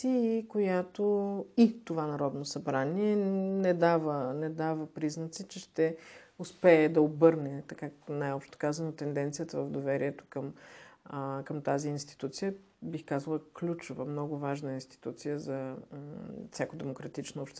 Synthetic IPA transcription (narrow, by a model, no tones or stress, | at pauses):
iːkojat̪oit̪ovanɐɾɔd̪nosɐbɾaniɛnɛd̪avənɛd̪avəpɾiznət̪sit͡ʃɛʃt̪ɛʊspɛːd̪ɐobɤɾnɛt̪ɐkaknajɔpʃt̪o̥kazənot̪ɛnd̪ɛnt̪sijət̪əvəvd̪ovɛɾiɛt̪o̥kəm | kɐmt̪aziːnst̪i̥t̪ut̪sijə | bixkazəlˠəklʲut͡ʃovə̰mnɔɡʊvaʒnəinst̪i̥t̪ut̪sijəzɐ | fsʲakod̪ɛmokɾɐt̪it͡ʃnoɔpʃt̪